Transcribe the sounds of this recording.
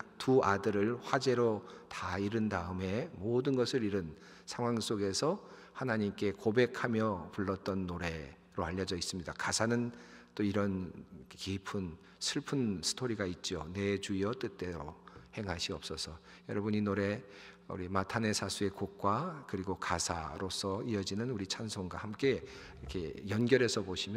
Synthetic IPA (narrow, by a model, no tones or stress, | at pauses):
tuadɯɾɯɭɸwad͡ʑe̞ɾotaiɾɯndaɯme̞modɯnɡʌsʰɯɾiɾɯn | sʰaŋɦwaŋs͈oɡe̞sʰʌ | hanaɲimk͈e̞kobe̞kʰamjʌpuɭːʌt̚t͈ʌnːoɾe̞ | ɾoaʎːʌd͡ʑʌis͈ɯmɲidakasʰanɯnt͈oiɾʌnkipʰɯn | sʰɯɭpʰɯnsʰɯ̥tʰoɾiɡait̚t͡ɕ͈ione̞t͡ɕuijʌt͈ɯt̚t͈e̞ɾohe̞ŋɦaɕʰiʌp̚s͈ʌsʰʌ | jʌɾʌbɯɲinoɾe̞ | ṵɾimatʰane̞sʰasʰue̞kok̚k͈wakɯɾiɡokasʰa̰ɾosʰʌiʌd͡ʑinɯnuɾit͡ɕʰansʰoŋɡwahamk͈e̞ | ʌkʰe̞jʌnɡjʌɾɦe̞sʰʌboɕʰimj